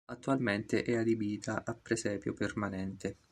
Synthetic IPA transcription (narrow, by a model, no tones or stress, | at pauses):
at̪ːualment̪eʔɛad̪ibiːt̪ʰaʔapːɾesɛːpjo̰permanɛnt̪e